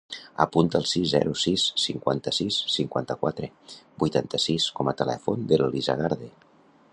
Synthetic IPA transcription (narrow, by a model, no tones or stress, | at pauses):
ə̰punt̪əːlˠsizzɛ̰ɾusisːiŋkwa̰nt̪əsisːiŋkwant̪əkwat̪ɾebujt̪ant̪əsiskɔmət̪əlɛ̰fond̪eleliza̰ɣ̞aɾðe